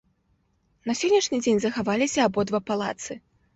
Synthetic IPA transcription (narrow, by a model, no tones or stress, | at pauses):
nɐsʲɔnʲːɐʂnʲid͡zʲenʲzɐxavalʲisʲɐːbɔd̪vapalˠa̰t̪sɨ